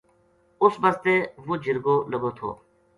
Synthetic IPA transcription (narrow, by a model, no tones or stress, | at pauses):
ʊsbəzt̪eːʋoːd͡ʒɪɾɡoːləɡoːt̪ʰo̰ː